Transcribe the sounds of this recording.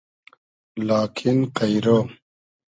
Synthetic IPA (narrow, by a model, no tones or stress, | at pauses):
laːkʰinqɐjɾo